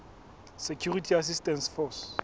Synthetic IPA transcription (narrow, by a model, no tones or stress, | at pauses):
sekʰjuritʰias̬istɛnsfɔs